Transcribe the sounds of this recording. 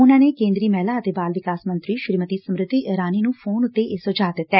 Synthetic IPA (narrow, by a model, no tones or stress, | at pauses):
ʊnãːneːkẽːnd̪ɾiːmɛːlaːət̪eːbaːlʋɪkaːsmənt̪ɾiːʃɾiːmət̪iːsəmɾɪd̪iːʔɾaːniːnũːpʰoːnʊt̪ːeːʔɪsod͡ʒaːd̪ɪt̪ːɛː